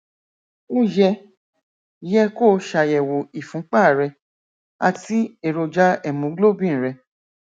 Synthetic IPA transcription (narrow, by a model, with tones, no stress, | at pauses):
o˦jɛ˧˨ | jɛ˧koː˦ʃa˨˧jɛ˨wo˨i˨fũ˨˦k͡pa˦˨ɾɛ˧ | a˧ti˦e˦˨ɾo˧d͡ʒa˦ɛ˨mũ˨˦ɡ͡blo˦˨bĩ˦˨ɾɛ˧